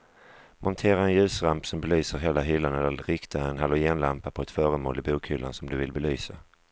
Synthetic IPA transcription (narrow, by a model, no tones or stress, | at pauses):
mʔɔnt̪ʰeːɾaɛnjʉ̟ːsɾampsɔmbɛlyːsəɾɦeːlaɦʏlːanɛlːəɾɾɪkt̪ʰaənɦalːɔjeːnlampapʰɔɛt̪fœːɾəmo̰ːlɪbuːkʰhʏlːa̰nsɔmd̪ɵvɪlbɛlyːsa